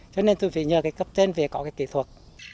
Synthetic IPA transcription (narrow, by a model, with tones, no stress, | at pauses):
t͡ɕɔ˧ne˧nt̪u˧jfḭ˧˨ɲəː˨˩kaː˨˦jkə˦˥p̚t͡ɕe˧nve˨˩kɔ˨˦kaː˨˦jkḭ˧˨t̪ʰwə˨˩t̚